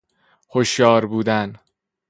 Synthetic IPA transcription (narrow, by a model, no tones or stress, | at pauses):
hoʃjɒːɾbuːd̪æn